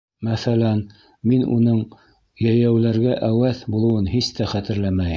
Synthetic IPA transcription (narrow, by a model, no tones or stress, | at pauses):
mæθælæn | minṵnɤɴ | jæjæwlæɾɡæʔæwæθbulˠɤ̆wɤnhist̪æχæt̪ɘ̆ɾlæmæj